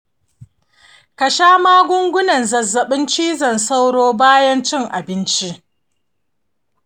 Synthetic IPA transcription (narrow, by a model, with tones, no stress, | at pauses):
kɐ˨ʃaː˦maː˦ɡʷʊ˦ŋɡʷʊ˦nɐ˨nzɐ˨zːɐ˨ɓɪ˦nt͡ʃiː˦zɐ˨nsa˦wɽoː˦baː˦jɐ˦nt͡ʃɪ˦˨ŋʔa̰˨bɪ˦nt͡ʃi˦ʔ